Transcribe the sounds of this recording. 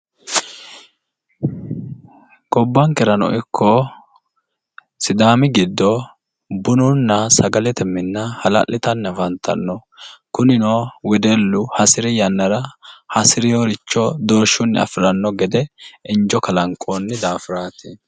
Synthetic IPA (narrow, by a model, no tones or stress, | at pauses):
kɔbːɐŋkɛɾɐnɔ̰ʔɪkʰːɔ | sɪd̪aːmɪɡɪd̪ːɔ | bʊnʊnːɐsɐɡɐlɛt̪ɛmːɪnːɐhɐlɐ̰lːɪt̪ɐnːɛvɐnt̪ʰɐ̰nːɔkʊnɪnoːwɛd̪ɛlːʊhɐsɪɾɛjɐnːɐɾɐhɐsɪɾɪjoɾɪt͡ʃːɔd̪oːʃʊnːɪ̰ɐ̰fɪɾɐnːɔɡɛd̪ɛɪnd͡ʒɔkɐlɐŋkʼoːnːɪd̪aːfɪɾaːt̪ɪ